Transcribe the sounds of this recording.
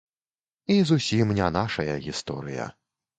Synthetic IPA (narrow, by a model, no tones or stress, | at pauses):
izusʲimnʲanaʂɐjɐɣʲist̪ɔ̰ɾɨjɐ̰